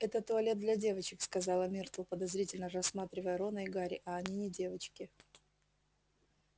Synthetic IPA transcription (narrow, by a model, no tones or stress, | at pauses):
ɛt̪ət̪ːʊɐlʲe̞t̪̚d̪lʲɐdʲe̞vət͡ɕɪkskɐzɑlˠəmʲirt̪lˠpəd̪ɐzɾʲitʲɪlʲnərɐsmat̪ɾʲɪvəjəɾonəɪɡaɾʲɪʔɐːnʲinʲɪdʲe̞vət͡ɕkʲɪ